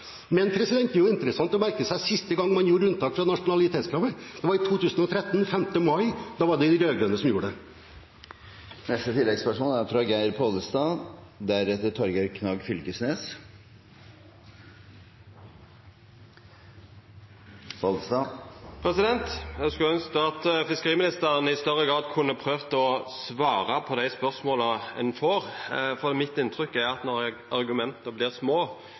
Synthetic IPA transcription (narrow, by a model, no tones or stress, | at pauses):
mɛnpʰɾɛsɪd̪ɛnt̪ɛɾjʊɪnt̪əɾəsɑnt̪ɔmæɾkəsæɪsɪst̪əɡɑŋːmɑnjuːɾəʉnt̪ʰɑːkfɾɑnɑʂʊnɑlɪt̪ʰeːt̪skʰɾɑʋəd̪̥ɛʋɑɾɪt̪ʰuːt̪ʰʉːsənɔt̪ʰɾɛt̪ːnfɛmt̪əmɑɪd̪̥ɑːʋɑɖɛɪd̪ɪɾøːɡɾœnəsɔmjuːɾəɖɛ | nɛst̪ət̪ʰɪlːɛɡspæʂuːnæɾfɾɑɡæɪɾpʰod̪əst̪ɑːd̪æɾɛt̪ːəʈ̪ʰɔɾɡæɪɾkʰnɑːɡfʏlkəsneːs | pʰɔlst̪ɑːpʰɾɛsɪd̪ɛnt̪jæskʉœnskəɑt̪fɪskəʁiːmɪnɪst̪əɾənəɪst̪œʁəɡɾɑːd̪kʰʉnːəpʰɾøːʋt̪əɔsʋɑːɾɑpʰɔd̪æɪspœʁsmoːləɛ̰nfoːɾfɔɾd̪ɛmɪt̪ːɪnt̪ʰɾʏkːæɾɑt̪nɔʁæɑɾɡʉmɛnt̪əbliːʁsmoː